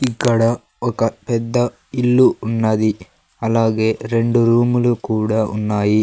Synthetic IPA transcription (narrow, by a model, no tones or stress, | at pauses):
ikːɐɽɐ | ɔkɐpɛd̪ːɐ | ilːuːnːaːd̪i | ɐlaːɡeɾeɳɖuɾuːmɐlukuːɽɐṵnːaːji